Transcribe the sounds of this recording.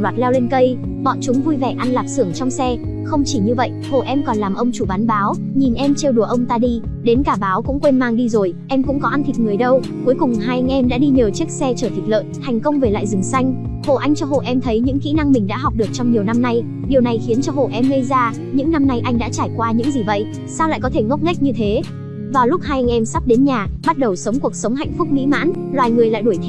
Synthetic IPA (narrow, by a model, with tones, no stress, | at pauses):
waː˨˩t̚lɛ˧wle˧nkə˧j | ɓɔ̰˧˨t͡ɕʊ˨˦ŋ͡mvu˧jvɛ˧˩ʔa˧nlaː˨˩p̚sɨ˧˩əŋt͡ɕɔ˧wŋ͡msɛ˧ | xə˧wŋ͡mt͡ɕi˧˩ɲɨ˧və̰˧˨jʔho̰˧˨ʔɛ˧mkɔ˨˩nlaː˨˩mʔə˧wŋ͡mt͡ɕu˧˩ɓa˨˦nɓaː˨˦w | ɲi˨˩nʔɛ˧mt͡ɕe˧wɗu˨˩əʔə˧wŋ͡mt̪aː˧ɗi˧ | ɗe˨˦nkaː˧˩ɓaː˨˦wkʊ̰˧˥ŋ͡mkwe˧nmaː˧ŋɗi˧zo˨˩jʔɛ˧mkʊ̰˧˥ŋ͡mkɔ˨˦ʔa˧nt̪ʰi˨˩k̚ŋɨ˨˩əjɗə˧w | ku˨˦jkʊ˨˩ŋ͡mɦaː˧jŋʔɛ˧mɗa̰ː˧˥ɗi˧ɲəː˨˩wt͡ɕi˦˥ək̚sɛ˧t͡ɕəː˧˩t̪ʰi˨˩lə̰ː˧˨jt̪ʰa˨˩jŋ̟kə˧wŋ͡mve˨˩la̰ː˧˨jzɨ˨˩ŋsa˧jŋ̟ | ho̰˧˨ʔa˧jŋ̟t͡ɕɔ˧ɦo̰˧˨ʔɛ˧mt̪ʰə˨˦jɲɨ̰˧˥ŋxḭ˧˥na˧ŋmï˨˩ŋ̟ɗa̰ː˧˥ɦɔ˨˩wk͡p̚ɗɨ˨˩ək̚t͡ɕɔ˧ŋ͡mɲi˨˩əwna˧mna˧j | ɗi˨˩əwna˨˩jxi˨˦ənt͡ɕɔ˧ɦo̰˧˩˨ʔɛ˧mŋə˧jzaː˧ | ɲɨ̰˧˥ŋna˧mna˧jʔa˧jŋ̟ɗa̰ː˧˥t͡ɕaː˧˩jkwaː˧ɲɨ̰˧˥ŋzi˨˩və̰˧˨jʔ | saː˧wla̰ː˧˨kɔ˨˦t̪ʰe˧˩ŋ˦˥k͡p̚ŋa˦˥k̟̚ɲɨ˧t̪ʰe˨˦ | vaː˨˩lʊ˦˥k͡p̚haː˧jʔa˧jŋ̟ʔɛ˧msa˦˥p̚ɗe˨˦nɲaː˨˩ɓa˦˥t̚ɗə˨˩wsə˨˦wŋ͡mku˨˩ək̚sə˨˦wŋ͡mɦa̰˧˨jŋ̟fʊ˦˥k͡p̚mḭ˧˥ma̰ː˧˥nlwaː˨˩jŋɨ˨˩əjla̰ː˧˨jɗu˧˩t̪ʰ